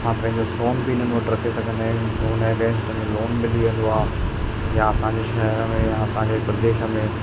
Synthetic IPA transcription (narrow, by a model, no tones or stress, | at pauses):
sʰãːpɐ̃ɦɪ̃ɲd͡ʑosoːnbiɪn̤ən̆ʋɐʈɾɐkʰesɐɡʱə̃nd̪aːɦɪ̃nsoːnaːɡẽːst̪ɐmẽloːnmɪliə̃nd̪oaː | jaɐsãːɲd͡ʑeʃɐɦəɾəmẽjaɐsãɲd͡ʑepɾɐd̪eːʃə̆mẽ